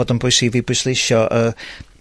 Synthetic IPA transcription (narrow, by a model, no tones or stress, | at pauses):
ɔːdənbʊjsiviːbʊslˠɪʃɔʔə